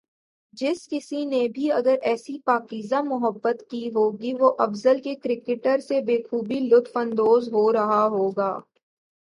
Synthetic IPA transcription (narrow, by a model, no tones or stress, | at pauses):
d͡ʒɪskɪsinebʱiɐɡəɾʔɛːsipaːkiːzamʊɦəbːət̪kiɦoːɡiʋoʔɐfzəlkekɾɪkɪʈəɾsebeːkʰuːbilʊt̪ʰfə̃nd̪oːzɦoːɾɐɦaɦoːɡaː